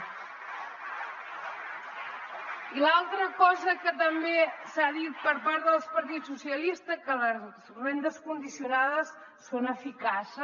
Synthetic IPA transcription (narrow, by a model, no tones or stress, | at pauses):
ilalˠt̪ɾəkɔzəkət̪əmbesaðit̪̚pəɾpaɾðəlˠspəɾt̪isusiəlist̪əkələzzrend̪əskund̪isiunaðəsː | onəfikasə